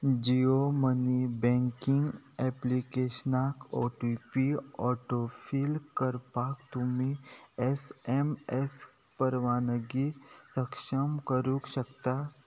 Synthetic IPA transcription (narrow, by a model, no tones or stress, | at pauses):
d͡ʒiomənibɛ̃ːŋkɪŋɡɛplikeːʃənaːko̰ːʈipiɔːʈofʰiːlkəɾpaːkt̪ʊmĩɛsemɛs | pəɾʋaːnəɡisəkʃəmkəɾukʃəkt̪a